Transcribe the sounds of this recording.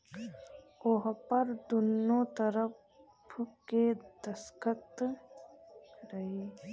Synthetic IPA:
ʊɦpəɾd̪ʊnot̪ɐɾəp | ked̪ɐskət̪ | ɾɐɦeː

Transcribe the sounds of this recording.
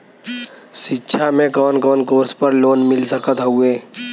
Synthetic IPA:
ʃɪtːʃʰamẽkɔːnkɔːnkoːɾspəɾloːnmɪlsəkət̪ɦueː

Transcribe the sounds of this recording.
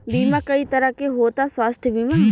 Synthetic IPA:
biːmãkɐit̪ɐɾakeɦoːt̪aswaːst̪ʰjəbiːma

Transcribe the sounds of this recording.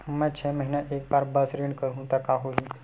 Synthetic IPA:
mãt͡ʃʰɛməɦinjaʔek̚baɾbəsɾiɳkəɾũt̪akaɦoɦi

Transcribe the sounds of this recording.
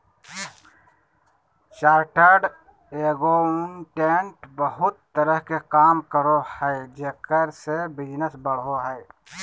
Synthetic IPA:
ʃaːɾʈəɾɖ | eːɡoʊnʈeːɳʈbəɦʊt̪ːəɾəɦkekaːmkəɾohɛed͡ʒeːkəɾsebɪd͡ʒnəsbəɽɦoɦɛɪ

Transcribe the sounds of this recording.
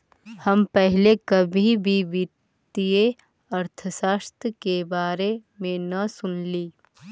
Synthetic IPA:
hɐmpɛɦlekɐbʱibʱiʋɪ | t̪ije | ɐɾt̪ʰəsaːʃt̪ɾəkebaːɾemẽnɐsʊnliː

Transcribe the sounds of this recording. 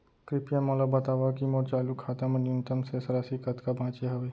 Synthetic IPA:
kɾɪpjãmãlabɐt̪aːʋakimɔːɾt͡ʃaːlukʰːaːt̪amɐnjʊnt̪əmsesɐɾasikɐt̪kabʱãːt͡ʃeɦɐʋeː

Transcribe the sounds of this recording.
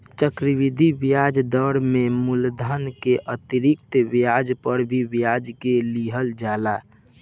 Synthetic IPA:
t͡ʃəkɾiʋid̪ʱibjad͡ʒd̪əɾmemuld̪ʱənkeʔət̪iɾik̚t̪bjad͡ʒpəɾbʱibjad͡ʒkeliɦəld͡ʒala

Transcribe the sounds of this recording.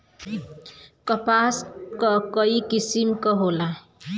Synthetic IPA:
kʌpaskʌkʌikisimkʌɦola

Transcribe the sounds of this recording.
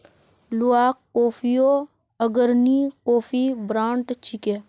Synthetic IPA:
luaːkːoːfʰijoː | əɡəɾnikoːfʰibɾãːɳʈt͡ʃʰike

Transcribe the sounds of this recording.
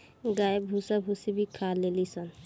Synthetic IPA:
ɡajebʱusabʱusibʱikʰalelisən

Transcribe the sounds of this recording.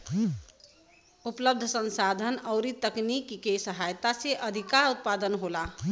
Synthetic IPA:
upləb̚d̪ʱəsə̃nsad̪ʱənəʊɾit̪əknikkesəɦajt̪aseʔəd̪ʱikaɾut̪̚pad̪ənɦola

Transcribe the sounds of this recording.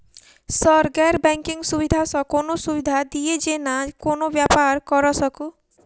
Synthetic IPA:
sɔɾɡaɾbɛŋkiŋsubid̪ʱasɔkonosubid̪ʱad̪ied͡ʒenakonobjapaɾkɔɾɔsɔku

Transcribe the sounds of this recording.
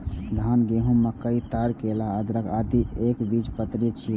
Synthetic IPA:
d̪ʱanɡeɦũmːekəit̪aɾkelaːd̪ɾəkʰad̪iekbid͡ʒpət̪ɾit͡ʃʰi

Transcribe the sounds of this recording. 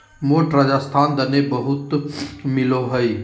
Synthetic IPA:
moːʈɾad͡ʒaːst̪ʰaːnd̪ɐnebɐɦʊt̪mɪloɦɐi

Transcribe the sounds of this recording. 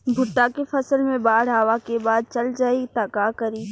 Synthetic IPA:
bʱʊʈːakefɐsəlmẽbaːɽɦaːʋakebaːd̪̚t͡ɕɐld͡ʒaːit̪aːkakɐɾiː

